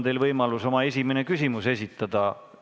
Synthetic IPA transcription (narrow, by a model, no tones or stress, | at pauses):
nt̪e̞jlvɤjmɑluso̞mɑe̞s̬ʲimene̞kysimuse̞s̬ʲit̪ːˑɑd̪̥ɑ